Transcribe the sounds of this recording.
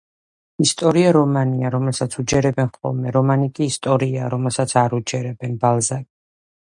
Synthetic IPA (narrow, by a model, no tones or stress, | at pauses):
ist̪ʼɔɾiaɾɔmaniaɾɔmɛlˠsat̪sʰud͡ʒɛɾɛbɛnχqʼɔ̰lmɛɾɔmanikʼiːst̪ʼɔɾiaɾɔmɛlˠsat̪sʰaɾud͡ʒɛɾɛbɛnbalˠzaɡi̥